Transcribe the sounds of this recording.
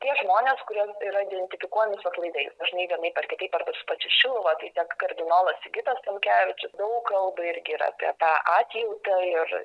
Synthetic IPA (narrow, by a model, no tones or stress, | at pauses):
t̪ʲiɛʒmoːnʲeːskʊɾʲuɔsiːɾɐɪd̪ʲɛnʲt̪ʲɪfʲɪkuɔjɛmʲɪsoklˠɐɪd̪ɐɪsd̪ɐʒʲɪnɐɪʋʲiɛnɐɪpɐrʲkʲɪt̪ɐɪpɐɾbɐɾsʊ̥pɑːt͡ʃʲɪʃʲɪlˠʋɐt̪ɐɪt̪ʲiɛkkɐrʲd̪ʲɪnoːlˠɐsʲɪɡʲɪt̪ɐst̪ɐmʲkʲæːʋʲɪt͡ʃʲʊsd̪ɐʊkkɐlˠbɐɪɾʲɡʲɪiːɾɐ̰ːpʲḭɛt̪ɑːʔɑːt̪ʲjɛʊt̪ɐɪɾ